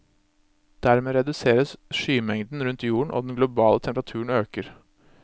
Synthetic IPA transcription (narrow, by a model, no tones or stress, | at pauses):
d̪̥æɾmeːɾɛd̪ʉseːɾəsʂyːmɛŋd̪n̩ɾʉnt̪ːjuːəɳ̩ʔo̰ːd̪ɛnɡlʊbɑːlət̪ʰɛmpəɾɑt̪ʰʉːəɳ̩n̩øːkəɾ